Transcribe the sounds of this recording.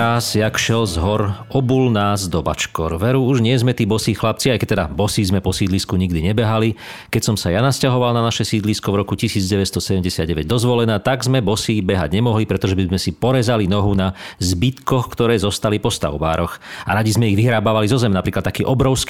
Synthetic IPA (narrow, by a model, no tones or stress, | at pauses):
aːzjakʃɛlzɦɔɾ | ɔbuːlnaːzd̪ɔba̰t͡ʃkɔɾʋɛɾuuʒɲɪɛzmɛt̪iːbɔsiːxlap̚t͡siajkɛc̚t̪ɛd̪abɔsiːzmɛpɔsiːd̪liskuɲiɡd̪iɲɛbɛɦali | kɛcsɔmsajanascaɦɔʋalnanaʃɛsiːd̪liskɔvɾɔkucisiːd͡zɟɛʋɛcst̪ɔsɛɟɛmɟɛsɪad̪ɟɛʋɛɟd̪ɔzʋɔlɛnaːt̪aɡzmɛbɔsiːbɛɦa̰ɟɲɛmɔɦlipɾɛt̪ɔʒɛbizmɛsipɔɾɛzalinɔɦunazbit̪kɔxkt̪ɔɾɛːzɔst̪alipɔst̪a̰ʊba̰ːɾɔxaɾaɟizmɛiɣʋiɦɾaːbaʋalizɔzɛmnapɾiːklat̪t̪akiːʔɔbɾɔʊsk